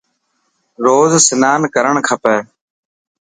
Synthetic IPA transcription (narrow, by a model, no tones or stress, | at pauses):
ɾoːzsɪnaːnkəɾəɳkʰəpɛː